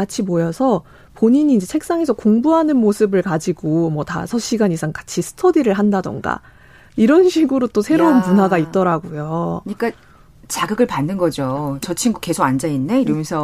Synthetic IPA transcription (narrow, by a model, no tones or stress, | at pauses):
at͡ɕʰimojʌsʰʌ | poɲiɲiːnd͡ʑe̞t͡ɕʰe̞k̚s͈aŋe̞sʰʌkoŋbuɦanɯnmosʰɯbɯɭkad͡ʑiɡomwʌta̰sʰʌɕʰiɡanisʰaŋkḁt͡ɕʰisʰɯ̥tʰʌdiɾɯɭɦandadʌ̰ŋɡa̰ | iɾʌnɕʰiɡɯɾot͈osʰe̞ɾounmunaɡait̚t͈ʌɾaɡojoɲik͈a | t͡ɕaɡɯɡɯɭpanːɯnɡʌd͡ʑot͡ɕʌt͡ɕʰiŋɡuke̞sʰoɡand͡ʑainːe̞iɾʌmjʌnsʰʌ